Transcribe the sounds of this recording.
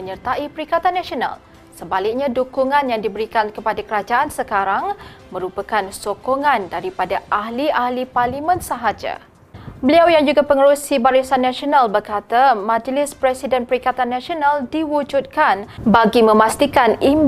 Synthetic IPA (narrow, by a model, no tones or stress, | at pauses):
məɲərt̪aipəɾikat̪anːasiona̰l | səbalɪk̚ɲãdukuŋãnjaŋdibəɾikankəpadakəɾad͡ʒaʔansəkaɾaŋmə̃ɾupakansokoŋãndaɾipadaʔaɦliahliparlimə̃nsəɦad͡ʒa̰ | bəliawjaŋd͡ʒuɡapəŋəɾusibaɾisanːãsionalbərkat̪amãd͡ʒlɪspɾɛsidɛnpəɾikat̪anːãsionaldiwud͡ʒut̪̚kanbaɡimə̃mast̪ikanim